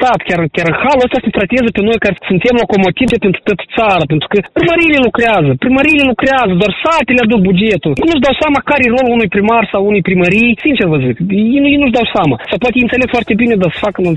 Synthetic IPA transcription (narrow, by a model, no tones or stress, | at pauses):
t̪at̪kʲaɾɨkʲaɾɨnxaluəst̪asʲet̪ɾat̪eezəpe̞no̞jkarsunt̪e̞mlakomo̞t̪ivepent̪ɾu̥t̪at̪ə̥t̪saɾapent̪ɾu̥kəpɾiməɾijlelukɾeazəpɾiməɾijlelukɾeazəd̪oarsat̪elead̪uk̚bud͡ʒe̞t̪ulknuʒd̪awsʲamakaɾero̞luunujpɾimarʲsawunujpɾiməɾijsint͡ʃervəzuk̪jenjejnuʒd̪awsʲamasawpoat̪ejɨnsele̞ɡfoart̪e̞bine̞d̪asə̥fakənɨ